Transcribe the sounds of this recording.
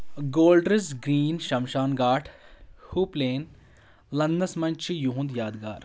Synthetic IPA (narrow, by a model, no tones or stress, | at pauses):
ɡoːlɖɾɪsɡɾiːnʃɐmʃaːnɡaːʈʰhuːpleːn | lɐnd̪ɐsmɐnt͡ʃʰijuɦũnd̪jaːd̪ɡa̰ːɾ